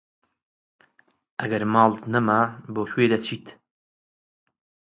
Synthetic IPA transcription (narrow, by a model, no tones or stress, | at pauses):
ʔɐɡɐɾmɑːlˠt̪nɐmaboːxweːd̪ɐt͡ʃʰiːt̪